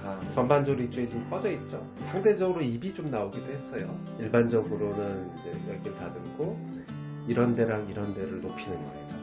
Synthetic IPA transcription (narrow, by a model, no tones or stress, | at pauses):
t͡ɕʌnband͡ʑoɾit͡ɕ͈uet͡ɕomk͈ʌd͡ʑʌit̚t͡ɕ͈o | sʰaŋde̞d͡ʑʌɡɯɾoibid͡ʑomnaoɡidohe̞s͈ʌjo | iɭband͡ʑʌɡɯɾonɯnid͡ʑe̞jʌɭɡiɭtadɯkʰo | iɾʌnde̞ɾaŋiɾʌnde̞ɾɯɭnopʰinɯnɡʌ̰ɕid͡ʑo